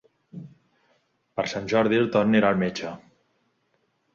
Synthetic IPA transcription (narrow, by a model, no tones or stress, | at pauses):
pəɾsanʲʒɔɾðielˠt̪orneɾalmet͡ʃə